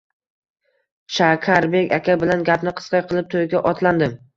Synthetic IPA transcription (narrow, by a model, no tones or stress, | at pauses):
ʃakʲʰaɾbe̞kʲakʲabɪlanɡʲapnɪqʰɨ̥sqɑjqʰɨlˠɪp̚t̪ʰojɡʲaʔɒt̪ʰland̪ɪm